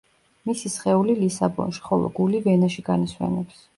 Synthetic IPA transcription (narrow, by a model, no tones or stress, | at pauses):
misisχɛulilisabɔ̰nʃi̥χɔlˠɔ̰ɡulivɛnaʃiɡaniswɛ̰nɛps